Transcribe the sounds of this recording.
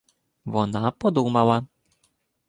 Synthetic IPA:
vɔnapɔd̪umawa

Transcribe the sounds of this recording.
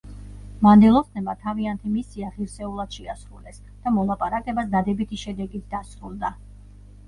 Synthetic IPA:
mand̪ɛlˠɔst̪ʰnɛmat̪ʰaviant̪ʰimisiaʁiɾsɛulˠad̪̥ʃɛasɾulɛs | d̪̥amɔlˠapʼaɾakʼɛbasd̪ad̪ɛbit̪ʰiʃɛd̪ɛɡit̪̚d̪̥asɾulˠd̪a

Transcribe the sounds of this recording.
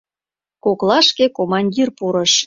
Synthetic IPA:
koklɑʃkekomɑnʲdʲirpuɾəʃ

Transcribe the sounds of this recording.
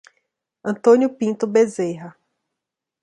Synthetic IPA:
ɐ̃nt̪õnʲjʊpĩnt̪ʊbezejɦɐ

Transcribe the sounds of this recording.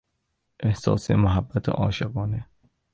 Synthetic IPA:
ʔehsɒ̰ːsemoɦæbːæt̪ʰḛʔɒ̰ːʃeɣɒːne

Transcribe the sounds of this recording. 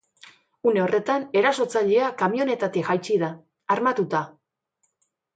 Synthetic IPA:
une̞o̞re̞t̪ane̞ɾaso̞t͡saʎe̞akamio̞ne̞t̪at̪ixajt͡ʃiðaː | ɾmat̪ut̪a

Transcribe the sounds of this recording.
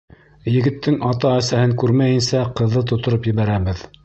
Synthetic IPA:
jɘ̆ɡɘ̆t̪ːɘŋɑt̪ɑæsæhɘŋkʉɾmæjɘ̆nsæqɤ̆ðːɤt̪ŏt̪ŏɾɤpjɘ̆βæɾæβɘð

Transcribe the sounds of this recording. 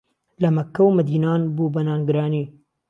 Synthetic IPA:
lɐmɐkːɐwmɨd̪iːnaːnbuːbɐnaːnɡɨɾaːniː

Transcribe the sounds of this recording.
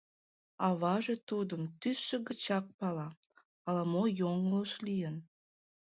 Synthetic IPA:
ɑβɑʒet̪ud̪əmt̪ysʃəɡət͡ɕɑk̚pɑlɑ | ɑlɑmojoŋloʃlijən

